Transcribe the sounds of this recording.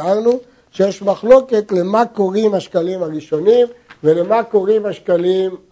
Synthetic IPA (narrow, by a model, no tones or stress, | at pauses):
aʁnu | ʃejeʃmaχlo̞ke̞t̪lemako̞ʁimhaʃkalimaʁiʃo̞nimvelemako̞ʁimhaʃkalim